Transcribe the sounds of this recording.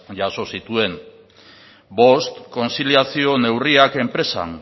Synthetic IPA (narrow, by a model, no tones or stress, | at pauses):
ʝaso̞sit̪ue̞n | bo̞st̪ko̞nsiliasio̞ne̞wriake̞mpɾe̞sa̰n